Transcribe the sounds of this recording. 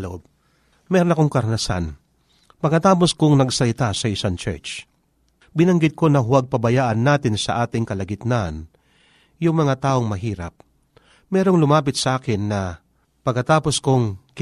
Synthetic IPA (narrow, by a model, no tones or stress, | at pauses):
l̰ʔob̚ | mɛːɾonɐkoŋkɐɾnɐsa̰n | pɐɡkːɐt̪aːpo̞skʊŋnɐɡsɐlɪt̪asɐɪsaŋt͡ʃɛ̰ɹt͡ʃ | bɪnɐŋɡɪd̪̚ko̞nɐɦʊwaɡ̚pɐbɐjaːʔɐnːaːt̪ɪnsɐʔaːt̪ɪŋkɐlɐɡɪt̪nan | jʊŋmɐŋat̪aːʔo̞ŋmɐɦiːɾɐ̰p̚ | mɛːɾo̞ŋlʊmaːp̬ɪt̪sɐʔaːkɪnːɐ | pɐɡ̚kːɐt̪aːpo̞skʊŋk